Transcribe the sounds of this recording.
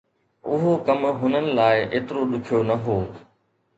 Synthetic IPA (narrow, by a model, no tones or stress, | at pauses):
ʊɦokɐmɦʊnənɪ̆laːɪʔeːt̪ɪɾoɗʊkʰijonɐɦoː